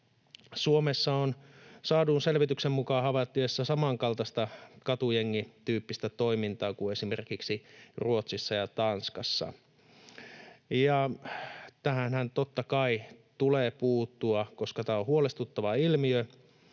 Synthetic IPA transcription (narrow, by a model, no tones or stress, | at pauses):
suomesːɑonsɑːduːnselʋit̪yksemːukɑːhɑʋɑt̪ːyesːɑsɑmɑŋkɑlt̪ɑst̪ɑkɑt̪ujeŋːit̪yːpːist̪æt̪o̞imint̪ɑːkue̞simerkiksiruot̪sisːɑjɑt̪ɑnskɑsːɑ̰ | jɑ | t̪æhænhænt̪ot̪ːɑkɑit̪uleːpuːt̪ːuɑko̞skɑt̪æːohuolest̪ut̪ːɑʋɑilmiø